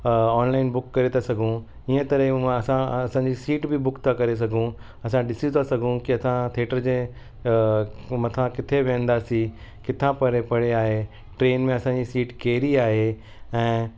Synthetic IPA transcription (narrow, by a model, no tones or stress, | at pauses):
ɔːnlaːɪnbʊkːɐɾet̪ʰasɐɡʱũ | iə̃t̪ɐɾəɦeãɐsãɐsãːɲd͡ʑisiːʈbɪbʊkt̪ʰakɐɾes̬ɐɡʱũ | ɐsãɗɪsit̪ʰasɐɡʱũkiɐsãt̪ʰeːʈəɾd͡ʑeː | mɐt̪ʰãkɪt̪ʰeʋẽːə̃nd̪aːsi | kɪt̪ʰãpɐɾepɐɽ̤eaːɦe | ʈɾeːnmẽɐsãɲd͡ʑisiːʈkeːɾiaːɦe | ɛ̃ː